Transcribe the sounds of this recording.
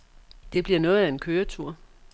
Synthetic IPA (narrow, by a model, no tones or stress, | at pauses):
d̥e̝b̥liɐnɔ̽ːð̩ˠæe̝nkʰøːɐt͡sʰuɐ̰